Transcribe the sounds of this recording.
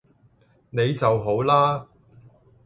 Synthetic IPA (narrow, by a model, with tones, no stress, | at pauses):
ne˨˧jt͡sɐ˨wɦo˨˥wlaː˥